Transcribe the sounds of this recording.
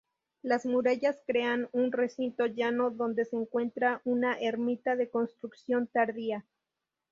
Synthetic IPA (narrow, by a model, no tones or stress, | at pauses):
lazmuɾaʝaskɾe̞anunre̞sint̪o̞ʝano̞ðo̞nd̪e̞se̞ːŋkwe̞nt̪ɾaʔunaʔeɾmit̪aðe̞ko̞nst̪ɾuksjo̞nt̪aɾðia